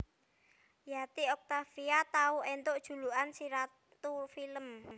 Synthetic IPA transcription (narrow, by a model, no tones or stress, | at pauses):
jat̪iɔk̚t̪afiat̪auʔent̪oʔd̥ʒ̥ṳluʔansiɾa | t̪ufiləm